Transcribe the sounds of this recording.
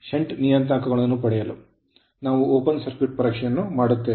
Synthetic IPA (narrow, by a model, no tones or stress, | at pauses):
ʂeɳʈnijɐnt̪aːkɐɣɐɭɐnːupɐɽɛjɐlu | naːʋuoːpɐnsɐɾkiʈ̚pɐɾɐkʂɐjɐnːumaːɽut̪ːeː